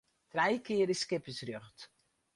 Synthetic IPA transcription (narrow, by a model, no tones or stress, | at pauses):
trɛjkɪəɾiskɪpəsrøχt